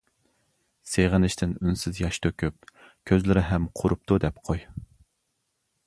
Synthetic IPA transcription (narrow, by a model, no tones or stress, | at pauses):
seʁənɪʃt̪ʰɪnynsɪzjɑʃt̪ʰøkʲyp̚ | kʲʰøzlɪɾɪɦɛmqʰʊɾup̚t̪ʰud̪ɛpqʰoj